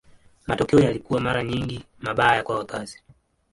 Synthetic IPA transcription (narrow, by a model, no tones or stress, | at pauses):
matɔkɛɔjalikuwamaɾaɲiŋɡi | maɓaːjakwawakazi